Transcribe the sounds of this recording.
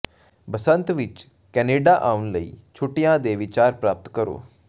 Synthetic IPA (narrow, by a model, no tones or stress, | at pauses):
bəsənt̪ʋɪt͡ʃ | kɛːneːɖaːʔaːʊnləḭːt͡ʃʰʊʈːijãːd̪eːʋɪt͡ʃaːɾpɾaːp̚t̪kəɾo̰ː